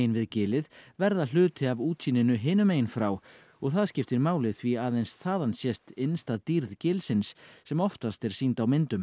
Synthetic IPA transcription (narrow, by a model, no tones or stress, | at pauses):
jɪnvɪðcɪːlɪðvɛɾðal̥ʏːt̪ɪavuːt̪siːnɪnʏɦɪːnʏmeːjɪnfɾaːw | ɔɣθaðscɪft̪ɪɾmaːwlɪðθviaðejnsθaːðansjɛst̪ɪnst̪aðt̪iːɾðcɪːlsɪnsːɛmɔft̪ast̪ɛɾ̥siːnt̪awmɪnt̪ʏm